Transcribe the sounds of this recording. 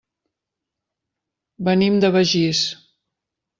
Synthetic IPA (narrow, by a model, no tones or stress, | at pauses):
bənimd̪əβəʒis